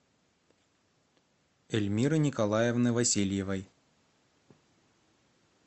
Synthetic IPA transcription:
ɛlʲmʲiɾɨnʲɪkɐlˠajɛvnɨvɐsʲilʲjɪvɐj

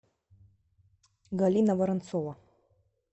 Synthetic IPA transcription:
ɡalʲinɐvɐɾɐnt̪sɔvɐ

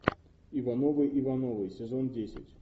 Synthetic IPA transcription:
ivanovɨjʔivanovɨjsʲɪzondʲesʲɪ̰tʲ

